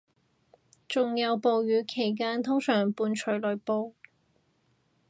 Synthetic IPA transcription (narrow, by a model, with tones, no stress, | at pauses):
t͡ʃʊ˨ŋjɐ˨˧wpo˨˧wjyː˨˧kʰe˨˩jk̬aː˥nt̪ʰʊ˥ŋsœː˨˩ŋpuː˧nt͡ʃʰɵ˨˥ɥlɵ˨˩ɥpo˧w